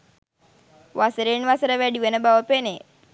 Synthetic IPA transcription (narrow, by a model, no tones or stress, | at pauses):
ʋasəɾeːnʋasəɾəʋæɖiʋenəbaʋəpene